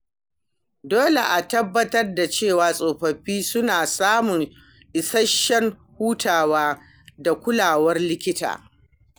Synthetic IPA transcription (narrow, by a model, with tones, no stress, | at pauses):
doː˦lḛ˨ʔa˨tɐ˦bːɐ˦tɐ˦rda˨t͡ʃeː˦˨waː˨sʼoː˨ɸɐ˨ɸiː˦sʊ˦naː˨saː˦mʊ˨ŋ | ʔɪ˨sɐ˦ʃːɛ˦ŋ | huː˦tʰaː˨waː˦ | da˨kʷʊ˦laː˨wɐ˦rlɪ˦kʲɪ˦ta̰ː˨